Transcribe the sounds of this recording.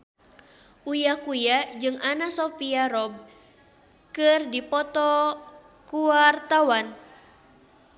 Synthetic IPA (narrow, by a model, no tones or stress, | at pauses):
ʔujakujad͡ʒɨŋanasofiaɾɔb̚ | kɨrdipɔt̪ɔ | kuart̪awan